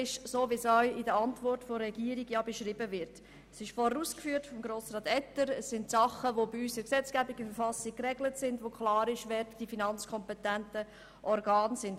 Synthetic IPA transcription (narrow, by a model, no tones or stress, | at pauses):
ɪʃsoːʋisɔɥɪdəɾɑntvɔrtfoɾːɛɡiːɾiɡjɑbəʃɾibəvɪɾt | sɪʃfɔɾɾuːskfyːəɾtfɔmɡɾoːsɾɑːtɛtəɾəsːɪntsɑχəʋobiysəksɛt͡skæbiɡəfəɾfɑsikkɾɛɡlətsɪndʋokχlɑːɾɪʃʋɛɾtd̥ifinɑnt͡skʰɔmpɛtæntə | ʔɔrɡɑːnsɪnd